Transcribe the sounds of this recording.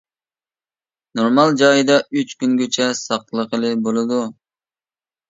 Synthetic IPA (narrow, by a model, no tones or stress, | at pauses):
noɾmɑlˠd͡ʒɑjd̪ɑyt͡ʃkʲynɡʲøt͡ʃʰɛsɑqlˠəqəlˠɨbolˠɨd̪u